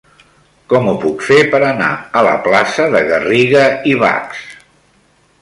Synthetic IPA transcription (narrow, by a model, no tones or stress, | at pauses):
kɔmupukfepəɾəna̰ələ̰plasəðəɣəriɣəiβ̞a̰ks